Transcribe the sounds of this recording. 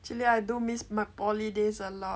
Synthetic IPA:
t͡ʃuliajdumismapɔlidesəlɔ

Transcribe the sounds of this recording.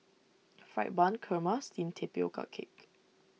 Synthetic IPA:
fɹajt̚bãnkʰəmastĩmtʰepio̰kʰa̰kʰḛk

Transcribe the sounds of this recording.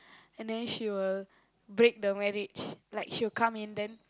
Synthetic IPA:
ɛ̃ndɛ̃nʃiwil | bɹek̚dəmɛɹid͡ʒlaɪkʃiwilkãmĩndɛ̃n

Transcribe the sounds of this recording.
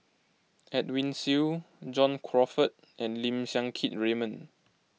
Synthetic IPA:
ɛt̚wĩnsil | d͡ʒɔ̃nkʰɹɔfət̚ | ɛ̃nlĩmsjãŋkʰit̚ɹemə̃n

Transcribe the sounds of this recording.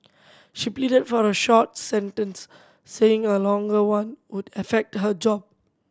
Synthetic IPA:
ʃiplidədfɔɹəʃɔt̚sɛ̃ntə̃nsː | eɪ̃ŋəlɔ̃ŋɡəwãnwudəfɛk̚tɦəd͡ʒɔb̚

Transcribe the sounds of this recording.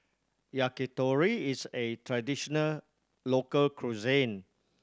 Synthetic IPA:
jakitɔɹiisetʰɹadiʃɔnəl | lokəlkʰɹuzẽn

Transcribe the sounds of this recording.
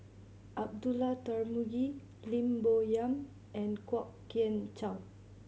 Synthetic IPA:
ʔab̚dulat̪aɹmuɡi | lĩmbojãm | ʔɛ̃nkwɔkː | iə̃nt͡ʃaw

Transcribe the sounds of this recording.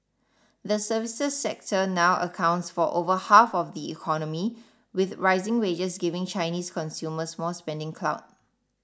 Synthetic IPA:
ðəsəvɪsəsːɛk̚tʰənaʊə̰kʰãʊ̃ntsfɔʔovəhafɔfdiḭkʰɔnəmi | wɪθɹaɪzɪ̃ŋwed͡ʒəsɡɪvɪ̃ŋt͡ʃaɪniːskʰɔ̃nsjuməsmɔlspɛ̃ndɪ̃ŋkʰla̰ʊt̚

